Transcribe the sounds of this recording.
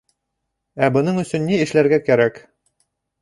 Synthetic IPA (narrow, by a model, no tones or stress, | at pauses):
æbɤ̆nɤɴɵ̆sɵnːiɘ̆ʃlæɾɡækæɾæk